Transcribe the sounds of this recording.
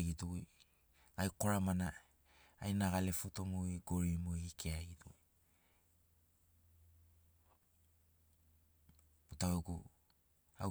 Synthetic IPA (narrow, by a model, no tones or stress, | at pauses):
ɡituj | ɡajko̞ɾamanaː | jnaɡale̞futomujɡo̞ɾimujikʰeaɡitu | utaoɡu | a̰